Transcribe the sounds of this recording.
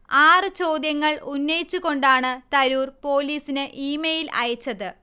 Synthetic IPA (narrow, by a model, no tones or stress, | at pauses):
aːrɨt͡ɕo̞ːd̪jɐŋːɐɭʔunːɐjit͡ɕːuɣo̞ɳɖaːɳɨt̪ɐɾuːrpo̞ːliːsinɨʔiːmejilɐ̰jɐt͡ɕːɐðɨ